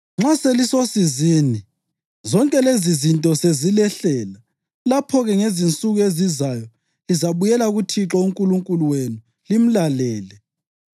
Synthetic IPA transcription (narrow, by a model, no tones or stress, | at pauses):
ŋ͡ǁaselisosiziːni | zɔŋkʼɛlezizintʼɔsezilɛɬɛːla | lapʰɔɣɛŋezint͡sʼuɣuezizajɔ | lizaβujɛlaɣutʰiǁɔuŋkʼuluŋkʼuluwenu | lim̩lalɛːlɛ